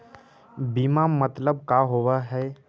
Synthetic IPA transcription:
bimamət̪ləb̚kaɦowaɦɛː

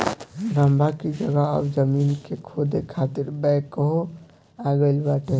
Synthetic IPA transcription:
ɾəmbʱakid͡ʒəɡəə̰bd͡ʒəminkekʰod̪ekʰat̪iɾbɛjkːəɦo | aɡəlbaʈe

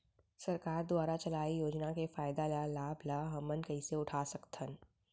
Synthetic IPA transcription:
sɐɾkaːɾd̪ʊwaːɾat͡ʃɐlaːijoːd͡ʒnakefaːɪd̪alalaːblaɦɐmənkɐɪseʊʈʰaːsɐkt̪ʰən

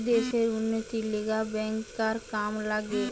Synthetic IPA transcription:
d̪eːʃeɾʊnət̪ileɡabɛ̃ːŋkːaɾkaːmlaɡe

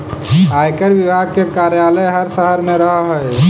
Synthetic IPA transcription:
ajkəɾʋibʱaɡ̚kekaɾjaləjɦəɾsəɦəɾmẽɾəɦaɦoj

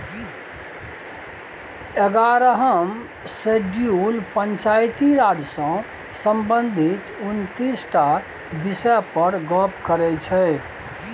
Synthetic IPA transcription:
eɡaɾɦəm | seɖjulpəɲt͡ʃajt̪iɾad͡ʒsɔ̃ | sə̃mbənd̪ʱit̪unt̪isʈa | bisɛpəɾɡɔpʰkəɾɛt͡ʃʰɛ

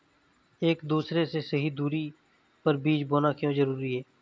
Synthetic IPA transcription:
eːkd̪uːsɾesesɐɦid̪uːɾi | pɐɾbiːd͡ʒboːnakjõzəɾuːɾiɦɛː

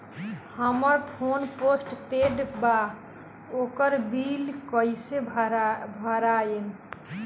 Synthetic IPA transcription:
həməɾpʰonposʈpeɖba | okəɾbilkəjse | bʱəɾajen

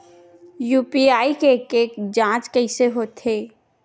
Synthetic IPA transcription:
juːpiaːikekeːkd͡ʒãːt͡ʃkəɪseɦoːt̪eː

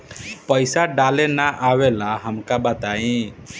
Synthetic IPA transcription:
pəjsaɖalenaʔawelaɦəmkabət̪aĩ

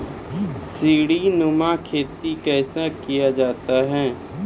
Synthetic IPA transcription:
siːɽinʊmakʰeːt̪ikɛːsakijad͡ʒaːt̪aɦɛː

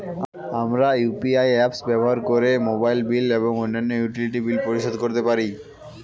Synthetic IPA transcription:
amɾajupiajɛpsbɛboɦaɾkoɾemobajlbileboŋonːanːojuʈiliʈibilpoɾiʃod̪koɾt̪epaɾi

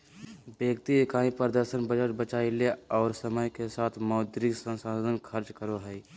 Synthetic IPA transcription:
beːɡt̪iekaːĩpəɾd̪əɾʃənbəd͡ʒəʈ̚bət͡ʃaːileɔːɾsəməjkesaːt̪ʰmɔʊd̪ɾɪksə̃nsad̪ʱənkʰəɾt͡ʃkəɾoɦɛi

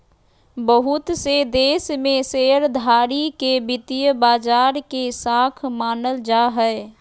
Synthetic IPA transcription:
bəɦut̪sed̪eːsmeseəɾd̪ʱaːɾikebɪt̪ijəbaːd͡ʒaːɾkesakʰmaːnəld͡ʒaɦəɪ

